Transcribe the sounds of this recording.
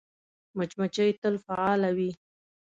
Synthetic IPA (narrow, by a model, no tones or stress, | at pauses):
mat͡ʃmat͡ʃajt̪əlfaɑlawi